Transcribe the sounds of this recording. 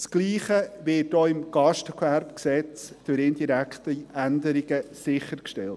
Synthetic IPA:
sɡ̥liːχəʋɪːt̚doɪmɡ̥ɑʃtəkʰwæɾpksɛt͡sd̥øɾɪndiɾækʰt̪əændəɾiɡəsɪχəɾkʃtɛlt

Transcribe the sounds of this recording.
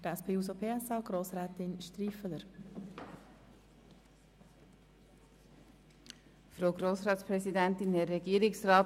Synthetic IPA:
d̥ɛspʰeːus̬opʰeːɛsɑːɡ̥ɾoːsɾɛːt̪ɪnʃt̪ɾifələɾ | fɾowɡɾoːsɾɑːt̪spɾɛsid̪ænt̪ɪnɛrːɛɡiəɾɪksrɑːt

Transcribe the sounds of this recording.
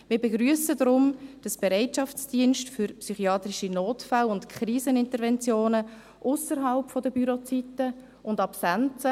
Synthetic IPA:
mɪːɾbeɡɾyəsədɾʊmd̥ɑsb̥eɾɛɪtʃɑft͡sd̥iənʃtfyɾpsyχiɑːt̪ɾiʃinoːtfalʊntkʰχriːzənɪntəɾvɛnt͡sjoːnə | ʔʊsəɾɦɑlpfɔdəbyɾot͡sitə | ʔʊndɑpsant͡sə

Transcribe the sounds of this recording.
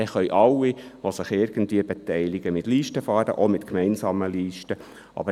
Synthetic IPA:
ɛχœjʔɑlːiʋosɪχɪɾɡ̥ən̩tvʋiəbet̪ɛɪliɡ̥əmɪtliːʃtəfɑːɾə̰ʔomɪt̪kmɛɪnsɑːməliːʃtə | ʔɑ̰bə

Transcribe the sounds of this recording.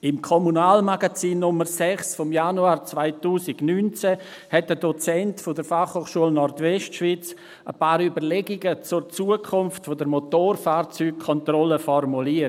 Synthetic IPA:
ɪmkʰɔmunaːlmaɡat͡siːnːʊməɾsɛχsfɔmjanuaːɾt͡svaɪtuːsɪɡnyːnt͡sɛ | hɛt̚dədɔt͡sɛntfodəɾfaχhoːχʃuəlnɔrtvɛstʃv̥it͡s | əpaːɾybəɾlɛɡɪɡət͡sʊrt͡suəkʰʊmftfodəɾmotoːrfaːɾt͡syːk̚kʰːɔntrɔləfɔrmuliə

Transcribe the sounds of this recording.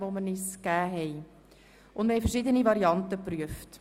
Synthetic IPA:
ʋoməniskæːɦɛj | ʔʊndməɾhɛɪfəɾʃidənivɑɾiɑntəpɾyəft

